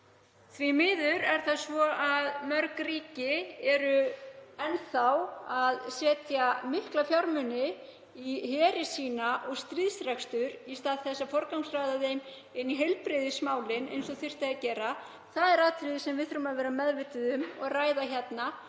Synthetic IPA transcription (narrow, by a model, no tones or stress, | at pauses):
θvimɪːðʏɾɛɾ̥θaðsvɔʔaðmœɾkriːcɪɛɾʏɛnːθawaðsɛːt̪jamɪhklafjawɾmʏnɪ | ihɛːɾɪsiːnaʔɔɣst̪ɾiðsɾakst̪ʏɾist̪aːðθɛsːafɔɾkawŋsrajðaðejm | ɪnːiɦɛjlpɾɪðɪsmaːwlɪnḛjnsɔθɪr̥t̪aacɛːɾa | θaðɛɾaːðt̪ʰɾɪðɪsɛmvɪðθʏɾʏmaðvɛːɾamɛðvɪt̪ɪðʏmɔɣraːjðaçɛt̪na